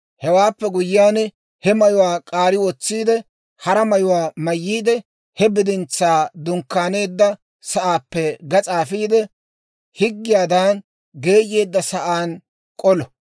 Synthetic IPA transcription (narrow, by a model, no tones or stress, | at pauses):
hɛwaːpːɛɡʊjɪːjaːn | hɛmɐjʊwaːkʼaːɾɪwɔt͡sːiːd̪ɛ | hɐɾɐmɐjʊwaːmɐjːiːd̪ɛ | hɛbɪd̪ɪnt͡sːaːd̪ʊŋkːaːne̞ːd̪ːɐ | sɐʔaːpːɛɡɐt͡sʼaːfiːd̪ɛ | hɪɡːɪjaːd̪aːn | ɡe̞ːjːe̞ːd̪ːɐsɐʔaːn | kʼɔlɔ